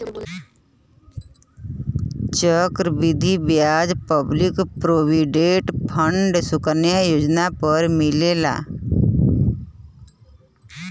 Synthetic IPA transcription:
t͡ʃəkɾbid̪ʱibjaːd͡ʒpəblɪkpɾoːwiɖeːʈpʰəɳɖsʊkəɾnjajoːd͡ʒnapəɾmɪleːla̰ː

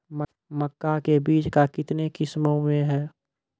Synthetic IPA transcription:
məkːakebiːt͡ʃkakɪt̪nekɪsmõmẽɦɛː

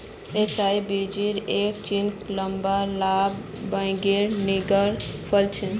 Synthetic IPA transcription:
esajbid͡ʒiɾekt͡ʃint̪ləmbalabː | ãɪ̃ɡeɾniɡəɾpʰəlt͡ʃʰən

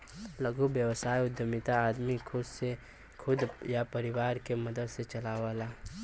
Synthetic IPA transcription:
lɐɡubjəwsaːjʊd̪jəmɪt̪aːd̪mikʰʊd̪se | kʰʊd̪japɐɾɪwaːɾkemɐd̪əd̪set͡ʃɐlaʋaːlaː

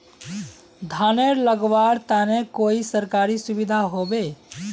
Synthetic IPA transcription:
d̪ʱaneɾləɡʋaɽt̪anekoːisəɾkaɾisʊbid̪ʱaɦobe

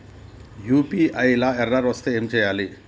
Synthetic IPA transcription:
jupiajlaeraɾɔst̪eemt͡ʃejali

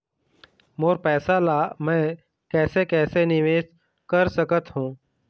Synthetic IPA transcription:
moːɾpɛːsaːlaːmɛ̃ː | kɛːseːkɛːsenɪʋeːʃ | kəɾsəkət̪ɦũː

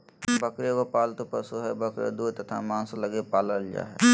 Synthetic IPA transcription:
bəkɾekopaːlt̪opəsuɦɛbəkɾḛd̪uːt̪ɐt̪ʰa̰mãːnsləɡepaːləld͡ʒa̰ɦɛ̰

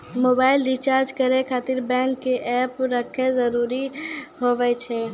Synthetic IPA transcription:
mobaɪlɖit͡ʃaɾd͡ʒkəɾekʰat̪iɾbɛ̃ŋkːeʔɛpɾəkʰezəɾuɾiɦobɛt͡ʃʰɛ

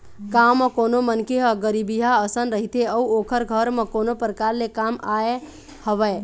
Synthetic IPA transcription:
kamːekonomənkeɦəɡəɾibiɦaəsənɾəɦit̪eəuokʰəɾɡʱəɾmekonopɾəkaɾlekamae | həβəe

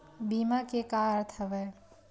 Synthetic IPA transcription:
bimakekaəɾt̪ʰəbɛ

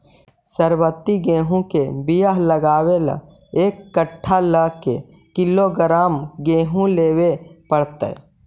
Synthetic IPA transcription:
səɾwət̪ːiɡẽːɦũkebijəɦləɡaːwelã̰ | eːkːəʈʰːaləkḛ | kɪloɡəɾaːmɡẽːɦũleːwepəɽt̪ə̰

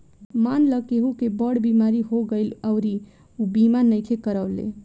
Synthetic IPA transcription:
manləkeɦukebəɽbimaɾiɦoɡəɪləʊɾi | ubimanəjkʰekəɾəʊlḛ

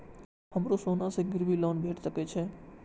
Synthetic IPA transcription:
əmɾosonaseɡɪɾʋilɔnbʱeʈʃəket͡ʃʰe

